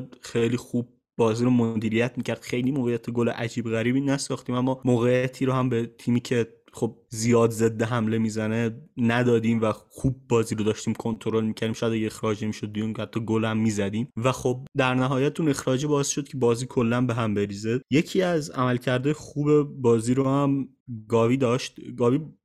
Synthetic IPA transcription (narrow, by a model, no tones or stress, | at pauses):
d̪xejliːxub̚ːɒːziːɾomod̪iːɾijæt̪ʰmiːcʰæɾd̪̥xe̞jlimoːɣejæt̪ʰeɡolḛʔæd͡ʒiːbɣæɾiːbiːnæsɒːxt̪iːmæmːɒːmoːɣejæt̪ʰiːɾohæmbet̪ʰiːmiːcʰe̞ | χo̞b̚zijɒːd̪ze̞d̪ːeɦæmle̞miːzænenæd̪ɒːd̪iːmvæxuːb̚ːɒːziːɾod̪ɒːʃt̪iːmkʰo̞nt̪ʰoɾo̞lmiːcʰæɾd̪imʃajæd̪æjexɾɒːd͡ʒemiːʃod̪̚ːijunhæt̪ʰːɒːɡolhæmːiːzæd̪iːmvæxob̚d̪æɾnæɦɒːjæt̪une̞xɾɒːd͡ʒebɒːesʃo̞d̪̚cʰe̞bɒːziːkʰo̞lːænbeɦæmbe̞ɾiːzejecʰiːæzæ̰mælcʰæɾd̪ɒːjexuːbe̞bɒːziːɾohæm | ɡɒːviːd̪ɒːʃt̪ɡɒːviː